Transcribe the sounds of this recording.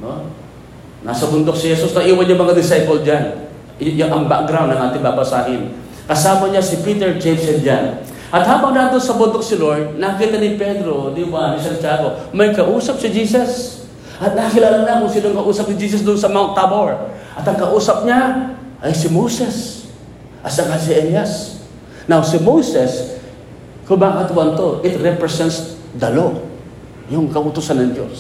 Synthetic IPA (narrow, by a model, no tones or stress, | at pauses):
no | na̰sɐbʊnd̪ok̚sɪhɛsusnɐʔiːwanjʊŋmɐŋad̪ɪsajpold͡ʒan | jʊʔɐŋba̰k̚ɡɾawnd̪nɐŋʔaːt̪ɪŋbabɐsaːɦɪn | kɐsaːmɐɲasɪpiːt̪ɛɹd͡ʒɛmsɛnd͡ʒan | ʔɐt̪haːbɐŋnaːt̪onsɐbʊnd̪ok̚sɪloɹd̪̚nakiːt̪ɐnɪpɛd̪ɾod̪iwanɪsɐnt͡ʃaːɡomɐjkɐʔuːsɐp̚sɪd͡ʒiːsɐs | ʔɐt̪̚nakɪlaːlaŋnakʊŋsɪloŋkɐʔuːsɐp̚nɪd͡ʒiːs̬ɐsd̪ʊnsɐmat̪ːaboɹʔɐt̪ɐŋkɐʔuːsɐp̚ɲaʔajsɪmowsɛs | ʔɐsaŋals̬ɪʔɛljas | nawsɪmosɛs | kʊbakat̪wɐnt̪oʔɪt̪ɾɛpɾɛsɛnt̪s | d̪ɐlo | jʊŋkɐʔʊt̪usanːɐŋd͡ʒo̰s